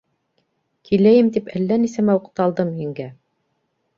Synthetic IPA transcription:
kʰilæjɘmt̪ipælːænisæmæuqt̪ɑlˠd̪ɤmjɘ̆ŋɡæ

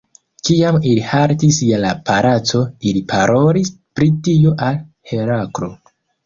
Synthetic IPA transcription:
kiamilihaɾtisjalapʰaɾat͡so̞ilipʰaɾʔo̞lispɾitioʔalhe̞ɾakɾo̞

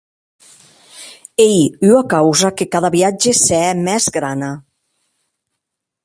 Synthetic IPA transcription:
ejywakawzakekaðaβiad͡ʒeseɛmɛzɡɾana

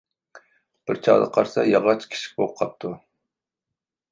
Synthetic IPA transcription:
b̥ɪɾt͡ʃʰɑʁd̪ɑ̰qʰɑɾsɑjɑʁɑt͡ʃʰkʲʰi̥ʃʰi̥k̚ʲboqʰɑp̚t̪ʰu

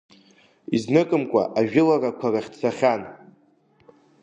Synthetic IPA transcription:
iznɨkʼɨmkʷʼa̰ʔaʒᶣɪlarakʷʰaraχʲt͡sʰaχʲan

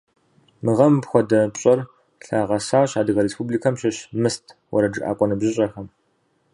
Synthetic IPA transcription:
mɨʁɐmpxʷɔdɐpɕʼɐr | ɬaːʁɐsaːɕaːdɨɣɐɾespʰublikʰɐmʃɐɕmɨstʰwɔ̰ɾɐd͡ʒɨʔa̰ːkʷʼɔnɨbʑɪɕʼɐxɐm

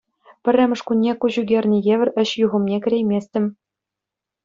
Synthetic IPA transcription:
pʲɘ̆rʲɘ̆mʲɘ̆ʂkunʲːekuʑuɡʲerʲnʲĭjeʋʲɘ̆rʲɘ̆ɕjuʁɤ̆mnʲekʲɘ̆ɾʲejmʲesʲtʲɘ̆mʲ

